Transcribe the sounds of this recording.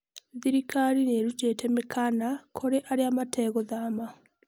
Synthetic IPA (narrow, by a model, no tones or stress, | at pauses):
ðiɾikaɾineɾuceːtemekʰanakʰoɾeʔaɾjaːmatʰeːɣoðaːma